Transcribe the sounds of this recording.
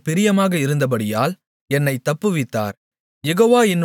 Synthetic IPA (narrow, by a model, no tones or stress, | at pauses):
pɪɾɪjɐmaːɣɐɪɾɯnd̪ɐp̬ɐɽɪjaːl | ɛnːɐɪt̪ːɐpːɯʋɪt̪ːa̰ːɾ | jɛɣoːʋaːɪn